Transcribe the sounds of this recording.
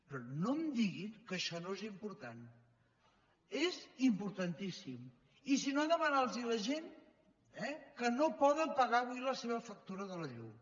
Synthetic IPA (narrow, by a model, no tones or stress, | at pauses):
pɾɔnomd̪iɣiŋkəʃɔnoezimpuɾt̪an | ezimpuɾt̪ənt̪isim | isinoand̪əβanalˠziləʒen | ɛkənopɔðəmpəɣaβwiləseβəfək̚t̪uɾəðələʎṵ